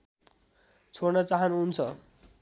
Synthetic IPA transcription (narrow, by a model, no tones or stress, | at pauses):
t͡sʰoɾnʌt͡saɦʌnuɦunt͡sʰʌ